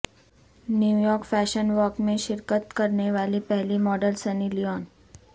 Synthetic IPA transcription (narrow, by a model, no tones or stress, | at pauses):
njuːjɔːɾkfɛːʃənʋɔːkmẽʃɪɾkət̪kɐɾneʋaːlipɛɦlimɔːɖəlsɐniliɔːn